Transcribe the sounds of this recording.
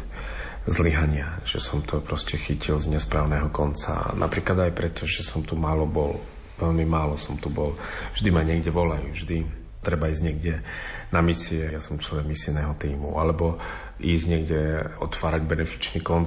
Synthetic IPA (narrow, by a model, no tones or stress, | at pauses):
zliɦaɲɪaʒ̥ɛsɔmt̪ʰɔpɾɔscɛxicilzɲɛspɾaːʊnɛːɦɔkɔnt͡sa̰nʔa̰pɾiːklad̪ajpɾɛt̪ʰɔʒɛsɔmt̪umaːlɔbɔl | ʋɛʎmimaːlɔsɔmt̪ubɔlvʒd̪imaɲɪɛɡɟɛʋɔlajṵːvʒd̪i | t̪ɾɛbaiːzɟɲɛɡɟɛnamisiɛjasɔmt͡ʃlɔʋɛɡmisinɛɦɔt̪iːmṵalɛbɔ | iːzɟɲɪɛɡɟɛɔt̪ʋaːɾaɟbɛnɛfi̥t͡ʃniːkɔn